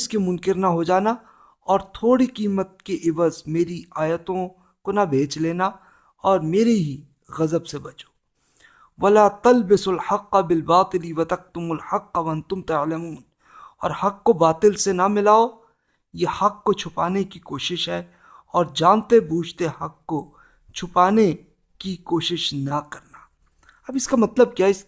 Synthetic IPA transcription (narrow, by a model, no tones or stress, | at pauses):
skemʊ̃nkɪɾnaɦod͡ʒaːna | ɔːɾt̪ʰoːɽikiːmət̪̚keʔɪʋəzmeːɾiaːjət̪õ | konabʱeːt͡ʃleːna | ɔːɾmeːɾeɦi | ɣɐzəbsebɐt͡ʃo̥ː | ʋɐlaːt̪ɐlbɪsɐlħɐqːabɪlbaːt̪ɪliwɐt̪ɐk̚t̪ʊmʊlħɐqːaʋɐɐ̃nt̪ʊmt̪aʕlɐmuːn | ɔ̰ːɾhɐqːobaːt̪ɪlsenɐmɪlaːo | jeːhɐqːot͡ʃʰʊpaːnekikoːʃɪʃɦɛ | ɔːɾd͡ʒaːnt̪ebuːd͡ʒʱt̪ehɐqːo | t͡ʃʰʊpaːne | kikoːʃɪʃnɐkɐɾna | ɐbɪskamɐt̪ləb̚kjaːɪs